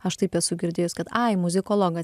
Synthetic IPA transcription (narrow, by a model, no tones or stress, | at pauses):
ɐʃt̪ɐɪpɛsʊɡʲɪɾʲd̪ʲeːjʊskɐt̪ɐɪmʊzʲɪkoːlˠoːɡɐs